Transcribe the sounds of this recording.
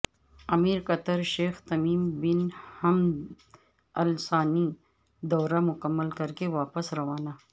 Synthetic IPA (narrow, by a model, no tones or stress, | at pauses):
ɐmiːɾqɐt̪əɾʃeːxt̪ɐmiːmbɪnhɐm | ɐlsaːni | d̪ɔːɾamʊkəmːəlkɐɾkeʋaːpəsɾɐʋaːna